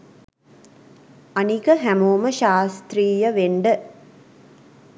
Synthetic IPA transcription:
anikəɦæmoːməʃaːst̪riːjəʋeɳɖə

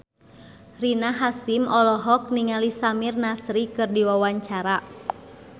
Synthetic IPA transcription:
rinaɦasimɔlɔɦɔk̚niŋalisamirnasɾikɨrdiwawaɲt͡ʃaɾa

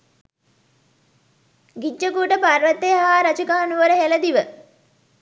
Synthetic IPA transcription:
ɡid͡ʒːəkuːʈəpaɾʋət̪ːejɦaːɾɐt͡ʃukaɦanuʋəɾəɦeləd̪iʋə

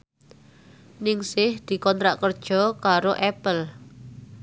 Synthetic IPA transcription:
nɪŋsɪhd̪̥i̤kɔnt̪ɾaʔkərd̥ʒ̥ɔ̤kaɾoʔɛpəl

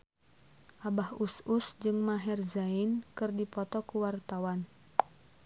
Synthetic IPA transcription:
ʔabahususd͡ʒɨŋmaɦɛrzainkɨrdipɔt̪ɔkuwart̪awan

